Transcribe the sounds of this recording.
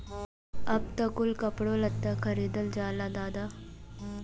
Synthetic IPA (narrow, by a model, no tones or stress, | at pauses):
ɐb̚t̪ɐkʊlkɐpɽolɐt̪ːakʰɐɾiːd̪əld͡ʒaːlad̪aːd̪a